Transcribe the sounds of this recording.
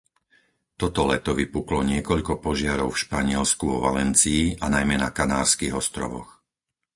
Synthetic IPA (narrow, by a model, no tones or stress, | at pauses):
t̪ɔt̪ɔlɛt̪ɔʋipuklɔɲɪɛkɔʎkɔpɔʒɪaɾɔʊfʃpaɲɪɛlskuʋɔʋa̰lɛnt͡siːanajmɛna̰kanaːɾskiɣɔst̪ɾɔ̰ʋɔ̰x